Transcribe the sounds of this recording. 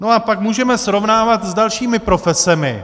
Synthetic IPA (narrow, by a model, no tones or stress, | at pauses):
no̞apakmuːʒɛmɛsɾo̞vnaːvat̪zdalʃiːmɪpɾo̞fɛsɛmɪ̰